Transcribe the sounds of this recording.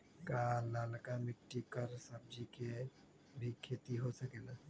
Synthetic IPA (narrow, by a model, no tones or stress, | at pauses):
kaːnaːlkamɪkʈikəɾsəb̚d͡ʒike | bʱikʰeːt̪iɦosəkena